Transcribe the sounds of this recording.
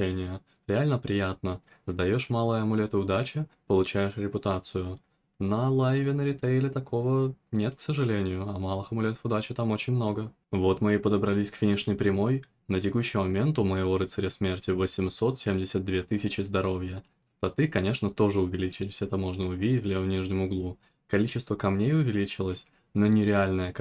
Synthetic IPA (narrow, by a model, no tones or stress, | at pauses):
enʲɪjə | ɾʲɪalʲnəpɾʲɪjat̪̚nəzd̪ɐjoʂmalˠəjəɐmʊlʲe̞t̪ɨʊd̪at͡ɕɪpəlˠʊt͡ɕæjɪʂɾʲɪpʲʊt̪at̪sɨjʊ | nəlˠajvʲɪnəɾʲɪt̪eɪlʲɪt̪ɐkʰo̞vənʲe̞t̪ksəʐɨlʲenʲɪjʊɐmalˠɨxəmʊlʲet̪ə̥fʊd̪at͡ɕɪt̪amo̞t͡ɕɪnʲmno̞ɡə | vo̞t̪mɨepəd̪əbɾɐlʲisʲkfʲinʲɪʂnəjpɾʲɪmo̞j | nətʲɪkuɕːɪjmɐmʲe̞nt̪ʊməjɪvoɾɨt̪sɨɾʲesmʲe̞rtʲɪvəsʲɪmso̞t̪sʲemʲdʲɪsʲət̪̚d̪vʲe̞t̪ɨsʲɪt͡ɕɪzd̪ɐɾo̞vʲjə | st̪ɐt̪ɨkɐnʲe̞ʂnət̪o̞ʐɨʊvʲɪlʲit͡ɕɪlʲfsʲɛt̪ɐmo̞ʐnəʊvʲidʲɪtʲvlʲevənʲiʐnʲɪmʊɡlˠu | kɐlʲit͡ɕːɪst̪vəkɐmnʲejʊvʲɪlʲit͡ɕɪlˠəsʲ | nonʲɪɾʲɪalʲnəjə